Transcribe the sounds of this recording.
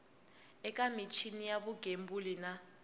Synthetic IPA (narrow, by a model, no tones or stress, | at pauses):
ɛkʼamit͡ʃʰinijaβuɡʱembulina